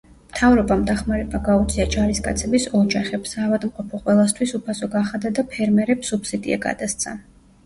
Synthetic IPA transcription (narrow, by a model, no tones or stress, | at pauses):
mt̪ʰavɾɔbamd̪aχmaɾɛbaɡaud̪zʰʼiad͡ʒaɾiskʼa̰t̪sʰɛbisɔd͡ʒaχɛpsaːvad̪mqʼɔpʰɔqʼwɛlˠast̪ʰwisupʰasɔɡaχad̪ad̪apʰɛɾmɛɾɛpsupsid̪ḭa̰ɡa̰d̪ast̪sʰa̰